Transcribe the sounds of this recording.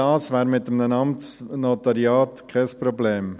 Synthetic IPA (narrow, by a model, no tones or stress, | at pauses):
ɑːsʋæːɾmɪt̪əmnənɑmtt͡snot̪ɑɾiɑːt̪kʰɛspɾɔbleːm